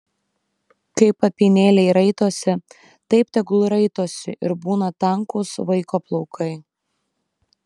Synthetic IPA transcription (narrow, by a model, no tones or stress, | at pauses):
kɐɪpɐpʲinʲeːlʲɛɪɾɐɪt̪oːsʲɪ | t̪ɐɪpt̪ʲɛɡlˠʊɾɐɪt̪oːsʲɪʔɪ̰ɾbuːnɐt̪ɐŋkʊsʋɐɪkoːplˠɔʊkʰɐɪ